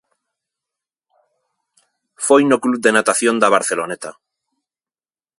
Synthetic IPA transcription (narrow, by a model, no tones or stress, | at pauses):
fojnoklud̪enat̪aθjond̪aβ̞aɾθelonet̪a